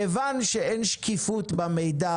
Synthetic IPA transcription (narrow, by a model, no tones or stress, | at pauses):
evanʃeenʃkifut̪bamejd̪a